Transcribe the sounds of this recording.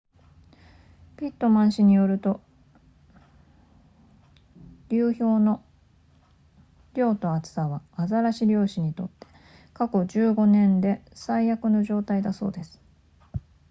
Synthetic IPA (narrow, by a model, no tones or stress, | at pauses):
pʲit̪ːo̞mãɰ̃ɕiɲ̟ijo̞ɾɯ̟t̪o̞ | ɾʲɯːço̞ːno̞ | ɾʲo̞ːt̪o̞at͡sɨ̥aβaazaɾaɕiɾʲo̞ːɕiɲ̟it̪o̞̰t̪ːe̞̥ | kako̞d͡ʑɨːɡo̞nẽ̞nd̪e̞saijakɯ̟no̞ʑo̞ːt̪aid̪aso̞̰ːd̪e̞sɨ̥